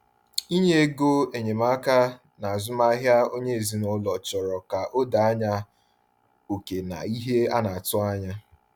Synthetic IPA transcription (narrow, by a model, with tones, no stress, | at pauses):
i˦ɲe˦e˦ɡo˦e˨ɲe˨ma˦ka˦ | na˨a˨zʊ˦ma˦ɦja˦o˦ɲe˦e˨zi˦nʊ˦lɔ˨t͡ʃɔ˨ɾɔ˨ka˨ʔo˦da˨a˦ɲa˦ | o˨ke˨na̰˨i˦ɦe˦a˦na˨a˨tʊ˦a˦ɲa˦